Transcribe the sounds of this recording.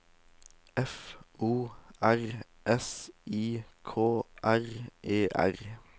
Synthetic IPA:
ɛfuːæʁ | ʔɛsiːkʰoːʔæʁʔeːʔæ̰ʁ

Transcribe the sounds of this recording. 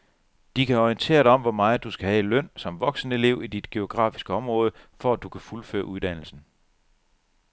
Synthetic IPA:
d̥ikʰæɒiənt͡sʰe̝̰ːɐɾ̥ɑɒ̽m̰ʋɒmɑ̈ːð̩ˠd̥usɡ̥æhæelœn̰sɒ̽mʋɒ̽ɡ̥sn̩əe̝le̝ʊ̰id̥id̥ɡ̥e̝o̝ɡ̥ʁɑ̰̈ːfi̥sɡ̥əɒ̽mʁɔ̽ːð̞ˠəfɒ̽æd̥ukʰæfulfø̰ːɐʔuð̞ˠd̥æn̰l̩sn̩

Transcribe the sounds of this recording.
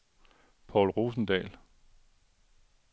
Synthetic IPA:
pʰɒʊlʁo̝ːsn̩d̥ɛ̰ːl

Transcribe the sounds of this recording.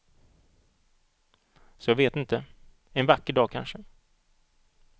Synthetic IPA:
sɔjɑːɡveːt̪ɪnt̪ə | ɛnvakːəɖɑːkʰa̰nʂə

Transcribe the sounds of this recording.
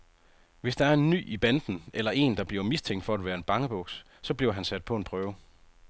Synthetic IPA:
ʋe̝sd̥ɑ̈æɐe̝nːy̰ːib̥ænd̥n̩ʔelɐʔe̝̰ːnd̥ɑ̈b̥liɐmist͡sʰeŋ̰ɡd̥fɒ̽æd̥ʋæːɐe̝nb̥ɑ̈ŋəb̥ɔ̽ɡ̥s | sɒ̽b̥liɐ̰ʊɦænsæd̥̚pʰɒ̽e̝npʰʁœːʊ

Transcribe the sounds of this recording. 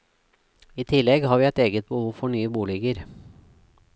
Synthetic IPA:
iːt̪ʰɪlɛɡhɑːʋiːɛt̪eːɡət̪̚bəhuːfɔɳyːəbuːlɪɡəɾ

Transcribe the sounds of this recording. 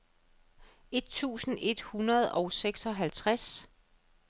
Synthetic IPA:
e̝d̥̚t͡sʰṵːsn̩e̝d̥hunɐð̞̩ˠɒ̽ʊseɡ̥sɒ̽ɦælt͡sʰʁas

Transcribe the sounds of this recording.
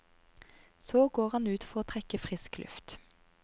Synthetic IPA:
soːɡoːʁhɑnʉːt̪fɔʁoːt̪ʰʁɛkəfʁɪsklʉ̰ft̪

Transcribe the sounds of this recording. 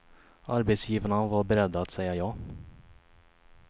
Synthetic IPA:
aɾbet̪sjiːvanavaɾbɛɾɛd̪ːaːt̪sɛjajɑː

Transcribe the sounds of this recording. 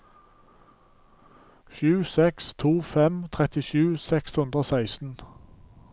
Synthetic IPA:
ʃʉːsɛkst̪ʰuːfɛmt̪ʰʁɛt̪ɪʃʉːsɛkshʉnd̪ʁoːsæɪst̪n̩

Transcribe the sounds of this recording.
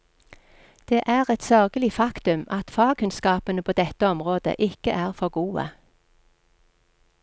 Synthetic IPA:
d̪̥eːʔæːʁɛt̪sœʁɡəlɪfɑkt̪ʉmɑt̪fɑːkʰʉnskɑːpənəpʰoːd̪ɛt̪əɔmʁoːd̪ə̰ʔɪkəʔæːʁfɔʁɡuːə̰

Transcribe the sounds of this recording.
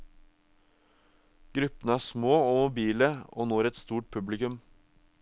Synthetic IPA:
ɡ̥ɾʉpːən̩əæːʂmoːoːmʊbiːləo̰ːnoːæɾɛt̪st̪uːʈ̚pʰʉblɪkʉm

